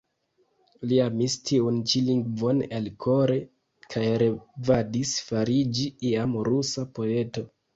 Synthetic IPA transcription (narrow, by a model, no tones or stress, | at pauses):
liamistʰiunt͡ʃiliŋɡvonelkʰoɾe̞ | kʰajɾevadisfaɾid͡ʒiiamɾusapo̞e̞to̞